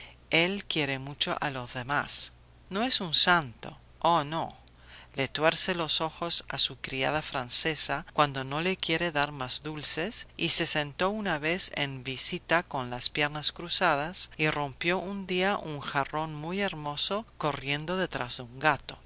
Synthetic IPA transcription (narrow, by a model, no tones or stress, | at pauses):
elkjeɾemut͡ʃo̰ʔa̰lo̞zðemas | noesunsant̪o̰ | ono | let̪weɾselo̞so̞xosa̰sukɾia̰ð̞afɾansesakwand̪o̞nolekjeɾeðaɾmazðulsesisesent̪o̞unaβesḛmbisit̪ako̞nlaspje̞ɾnaskɾusað̞asiro̞mpjo̞ʔund̪iaʔuŋxaro̞nmujeɾmo̞soko̞rje̞nd̪oðet̪ɾazðeuŋɡat̪o̥